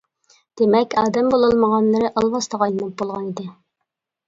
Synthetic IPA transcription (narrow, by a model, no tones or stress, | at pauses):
d̪̥emɛkʲɑːd̪ɛmbolˠɨlˠməʁɑnlˠɨɾɨʔɑlˠwɑst̪ɑʁɑjlˠɨnɨp̚bolˠʁɑnid̪ɪ